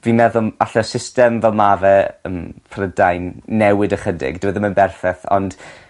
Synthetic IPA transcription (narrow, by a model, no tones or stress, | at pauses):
vimɛðʊlˠaɬɛsɪstɛmvɛlˠmavɛəmpʰrədajnːɛwɪdəχədɪ̰ɡd̥ɪwəðəmənbɛrfɛθɔ̰nd̥